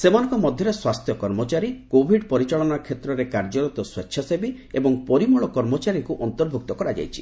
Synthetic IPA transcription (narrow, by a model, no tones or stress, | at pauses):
semanɔŋkɔmɔd̪ʱjɔɾeswast̪ʰjɔkɔɾmɔt͡ʃaɾikobʱiɖpɔɾit͡ʃaɭɔnakʰet̪ɾɔɾekaɾd͡ʒɔlɔt̪ɔswetːʰjɔsebi | ebɔŋpɔɾimuɭɔkɔɾmɔt͡ʃaɾiŋkuʔɔnt̪ɔɾbʱuk̚t̪ɔkɔɾad͡ʒa̰jt͡ʃʰi̥